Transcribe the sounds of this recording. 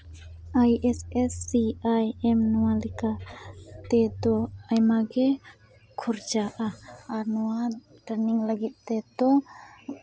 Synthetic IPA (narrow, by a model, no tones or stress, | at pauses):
ajɛsɛsːiajɛmnɔwalikat̪ɛd̪ɔajmaɡɛ | kʰuɾd͡ʒaʔaaɾnɔwadaɾniŋlaɡit̪̚ːɛd̪ɔ